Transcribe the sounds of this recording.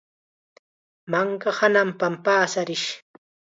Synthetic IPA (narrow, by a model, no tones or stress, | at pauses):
maŋkahanampampaːsaɾɪʃ